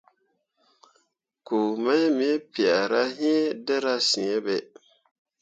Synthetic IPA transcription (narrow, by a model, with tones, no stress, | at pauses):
ku˨ma˦mi˦pi˨a˨ɾa˦ɦi˦dɛ˦ɾa˦sĩ˨ɛ˦bɛ˨